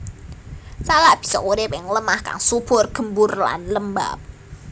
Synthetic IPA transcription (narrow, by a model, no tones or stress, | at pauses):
salaʔb̥i̤̥sɔ̰kuɾɪpɪŋləmahka̰ŋsub̥ʊrɡ̥ə̤mbʊrla̰nləmba̰p̚